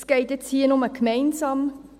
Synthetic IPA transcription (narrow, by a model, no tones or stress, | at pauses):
sɡ̥eɪtɛt͡shiːnɔməkʰmɛɪnsɑːm